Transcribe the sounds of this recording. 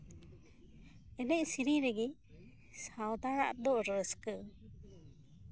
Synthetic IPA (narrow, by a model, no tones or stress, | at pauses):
ɛnɛcsiɾiɾɛɡi | sawd̪aɾa̰ʔd̪ɔɾəskə